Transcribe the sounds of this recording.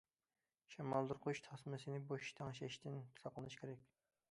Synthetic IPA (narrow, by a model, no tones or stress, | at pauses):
ʃɛmɑlˠd̪ɨɾqʰoʃt̪ʰɑsmɪsɨnɪboʃt̪ʰɑŋʃɛʃt̪ʰɪnt̪ʰu̥sɑqlˠɨnɨʃkʲʰeɾɛkʲ